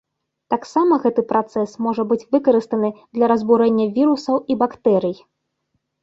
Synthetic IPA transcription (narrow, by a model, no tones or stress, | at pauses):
t̪aksamɐɣɛt̪ɨpɾat̪sɛsmɔʐɐbɨt͡sʲvɨkɐɾɨst̪ɐnɨd̪lʲɐɾɐzbuɾɛnʲːɐvʲiɾusɐwibakt̪ɛɾɨj